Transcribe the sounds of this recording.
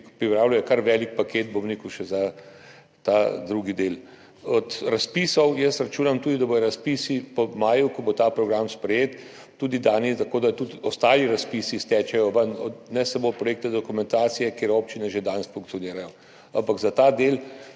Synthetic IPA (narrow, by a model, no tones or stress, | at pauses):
pɾipɾaːwlʲujɛkaɾʋɛːlik̚paket̪̚bomnikuʃɛza | t̪ad̪ɾuːɡid̪eːl | ɔt̪ɾaspiːsɔwjəsɾat͡ʃuːnamt̪uːd̪id̪abojɔɾaspisipɔmaːjukɔbot̪aːpɾɔɡɾamspɾɛjeːt̪ː | uːd̪id̪aːnit̪akoːd̪at̪ut̪ɔst̪aːliɾaspisist̪ɛːt͡ʃɛjɔʋənɔd̪nɛsamoːpɾɔjeːk̚t̪ad̪ɔkumɛnt̪aːt̪sijɛkeːɾoːp̚t͡ʃinɛʒed̪ansfuŋk̚tsijɔniːɾajɔ | a̰mpaɡzat̪aːd̪el